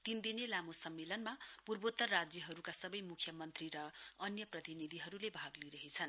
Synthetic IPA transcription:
t̪ind̪inelamosʌmːelʌnmapurbot̪ːʌrad͡zjʌɦʌɾukasʌbʌjmukʰjʌmʌnt̪riɾʌʌnjʌprʌt̪inid̪ʱiɦʌɾulebʱaɡliɾʌɦit͡sʰʌn

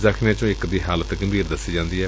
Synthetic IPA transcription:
zəkʰnẽːt͡ʃõːɪkd̪iːɦaːlət̪ɡəmbiːɾd̪əsːiːd͡ʒãːnd̪iːɦɛː

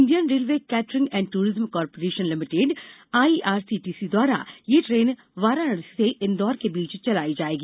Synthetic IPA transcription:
nd̪ijənɾeːlʋeːkɛːʈɾɪ̃ŋɡɛ̃ːɳɖʈuːɾɪzəmkɔːɾpoːɾeːʃənlɪmɪʈeːɖaːiʔaːɾsiːʈiːsid̪waːɾa̰jeʈɾeːn | ʋaːɾanəɽseʔɪnd̪ɔːɾkebiːt͡ʃt͡ʃɐlaːid͡ʒaːeːɡiː

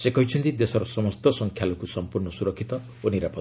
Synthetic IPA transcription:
sekɔɦit͡ʃʰint̪id̪esɔɾɔsɔmɔst̪ɔsɔŋkʰjalɔkusɔmpurnɔsuɾɔkʰːit̪ɔ | oniɾapɔ

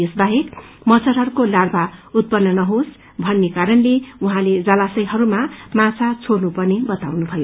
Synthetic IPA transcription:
esbaɦekmʌt͡sʰʌɾɦʌɾukolarbʱaut̪̚pʌnːʌnʌɦos | bʱʌnːekaɾʌnleuɦãled͡zʌlasʌjɦʌɾumamãt͡sʰat͡sʰornupʌrnebʌt̪awnubʱʌjo

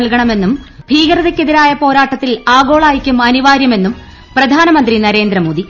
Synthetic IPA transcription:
ɭkɐɳɐme̞nːumbʱiːɡɐɾɐðɐkʲːeðiɾaːjɐpo̞ːɾaːʈːɐt̪ːilaːɡo̞ːɭaːjikʲːumɐniʋaːɾjɐme̞nːum | prɐd̪ʱaːnɐmɐnd̪rinɐɾe̞ːnd̪ɾɐmoːd̪i

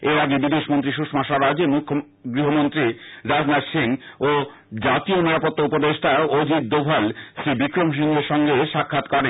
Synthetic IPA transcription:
eɾaɡebid̪eʃmont̪ɾiʃ̬uʃʈmaʃaɾad͡ʑemukʰːo | ɡɾiɦomont̪ɾiɾad͡ʑnad̪ʃeŋo | d͡ʑat̪ioniɾapot̪ːoupod̪eʃʈʰaod̪ʱit̪̚d̪obʱalʃɾibikɾomʃ̬iŋɡeɾʃɔŋɡeʃakʰːat̪kɔɾen

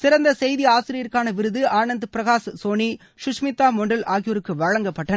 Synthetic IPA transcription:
sɪɾɐnd̪ɐsɛjðiaːsɪɾɪjɐɾkaːnɐʋɪɾɯðɯaːɳɐnd̪ɯpɪɾɐɣaːssoːɳi | ʃʊʂmɪt̪ːaːmɔɳɖɐlʔaːɣɪjoɾɯkːɯʋɐɻɐŋɡɐpːɐʈːɐ

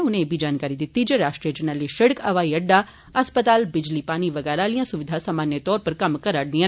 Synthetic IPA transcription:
ʊnẽbʱiːd͡ʒaːnkaːɾid̪ɪt̪ːiːd͡ʒeːɾaːʃʈɾijəd͡ʒənəliʃəɽəkəʋaːiəɖːaː | əspət̪aːlbɪd͡ʒliːpaːñiːʋəɡɛːɾaːlijãːsʊʋɪd̪ʱaːsaːmaːnjət̪ɔːɾpəɾkəmkəɾəɽd̪ĩã

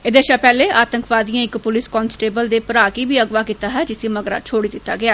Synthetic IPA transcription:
ed̪eːʃapɛːleːʔaːt̪əŋkʋaːd̪ijãːɪkpʊlɪskɔːnsʈeːbəld̪eːpəɾaːkiːbiːəɡʋaːkit̪aːɦɛːd͡ʒɪsiːməɡɾa̰ːt͡ʃʰoːɽiːd̪ɪt̪ːa̰ːɡɪaː

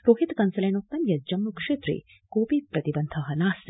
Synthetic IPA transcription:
ɾoːɦit̪kɐnsɐleːnoːk̚t̪ɐmjɐd͡ʒɐmːukʂeːt̪ɾḭ | koːpipɾɐt̪ibɐnd̪ʱɐɦɐnaːs

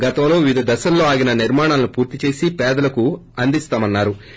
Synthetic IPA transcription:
ɡɐt̪ɐwlo̞ːʋid̪ʱɐd̪ɐsɐlːo̞ːaːɡinɐniɾmaːɳaːlnupuːɾt̪it͡ʃe̞ːsipɛːd̪ɐlɐkuɐnd̪ist̪aːmɐnːaːɾu

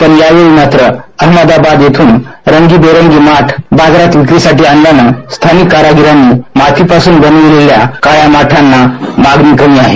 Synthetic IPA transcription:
t̪əɾjaʋeɭiːmat̪ɾəəɦməd̪abad̪jet̪ʰuːnɾəŋɡiːbeɾəŋɡiːmaʈʰbad͡zɾat̪ʋikɾisaʈiːanlanəst̪ʰanikːaɾaɡiɾanːiːmat̪ʰiːpasuːnbənuʋeleljakajamaʈʰanːamaɡniːkəmiːaɦe

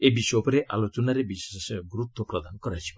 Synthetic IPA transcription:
ebiʃɔpɔɾeʔa̰lot͡ʃɔnaɾebisesɡɾut̪ːɔpɾɔd̪ankɔɾat͡ʃʰi̥b

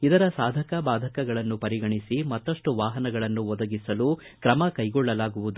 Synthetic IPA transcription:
id̪ɐɾɐsaːd̪ʱɐkɐbaːd̪ʱɐkɐɡɐɭɐnːupɐɾiɡɐɳisimɐt̪ːɐʂʈuʋaːɦɐnɐɡɐɭɐnːuʋɔd̪ɐɡisɐlu | kɾɐmɐkɐjɡɔɭːɐlaːɡuʋud̪u

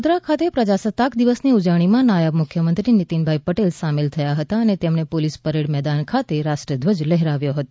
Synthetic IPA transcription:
d̪ɾakʰat̪epɾəd͡ʒasət̪akd̪iʋəsniud͡ʒəʋɽ̃imãnajəbmʊkʰjəmənt̪ɾinit̪inbʱaipəʈelsamelt̪ʰəjaɦət̪aənet̪emnepolispəɾeɽmɛd̪ankʰat̪eɾaʃʈɾiəd̪ʋəd͡ʒləɦɾaʋjoɦət̪o

